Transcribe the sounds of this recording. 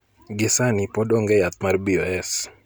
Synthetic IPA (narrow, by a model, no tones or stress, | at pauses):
ɡɪsanipodoŋɡɛjat̪̚marbioɛs